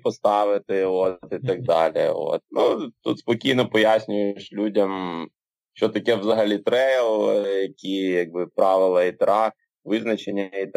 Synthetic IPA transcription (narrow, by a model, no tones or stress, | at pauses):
pɔst̪ɑʋɪt̪ɪot̪it̪ɐɡ̚d̪ɑ̰lʲḭo̰t̪̚nut̪ṵt̪spɔkʲijnɔpɔjasʲnʲʊjeʃlʲudʲɐm | ʃt͡ʃɔt̪ɐkɛʋzɐɦɐlʲit̪ɾɛjlˠjɐkʲijɐɡ̚bɪpɾɑʋɪlˠɐit̪ɾɑ | ʋɪznɐt͡ʃenʲːɐɐit̪